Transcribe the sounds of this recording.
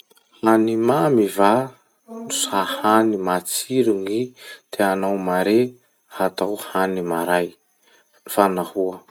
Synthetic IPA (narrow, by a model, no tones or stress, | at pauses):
hanimamiva | nusahanimat͡siɾuŋid̪̥eanawmaɾe | hat̪awhanimaɾaj | fanahuə